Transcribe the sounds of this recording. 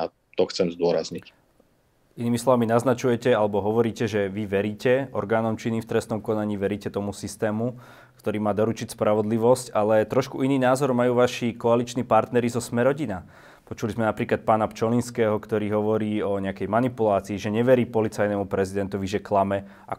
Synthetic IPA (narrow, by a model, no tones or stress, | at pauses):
a | t̪ɔxt͡sɛmzd̪ʊɔɾazɲic | ʔiniːmislɔʋaminaznat͡ʃujɛcɛalɛbɔɦɔʋɔɾiːcɛʒɛʋiʋɛɾiːcɛɔ̰ɾɡaːnɔmt͡ʃinift̪ɾɛst̪nɔmkɔnaɲiːʋɛɾiːcɛt̪ɔmusist̪ɛːmu | kt̪ɔɾiːmaːd̪ɔɾut͡ʃicʲspɾaʋɔd̪liʋɔscalɛt̪ɾɔʃkuʔiniːnaːzɔɾmajuːʋaʃikɔalit͡ʃniːpaɾt̪nɛɾizɔsmɛɾɔɟina | pɔt͡ʃulizmɛnapɾiːklat̪̚paːnapt͡ʃɔlinskɛːɦɔkt̪ɔɾiːɦɔʋɔɾiːɔɲɛakɛjmanipulaːt͡siːʒɛɲɛʋɛɾiːpɔlit͡sajnɛmupɾɛzid̪ɛnt̪ɔʋiʒɛklamɛ | a̰